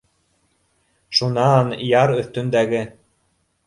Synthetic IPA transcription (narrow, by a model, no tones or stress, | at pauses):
ʃunɑnjɑɾɵ̆θt̪ɵ̆nd̪æɡɘ